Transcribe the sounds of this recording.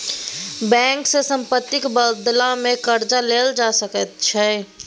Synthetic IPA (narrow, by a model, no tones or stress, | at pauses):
bɛ̃ːŋksesə̃mpət̪ːɪkbəd̪lamẽkəɾd͡ʒaleːld͡ʒaːsəkət̪t͡ʃʰɛ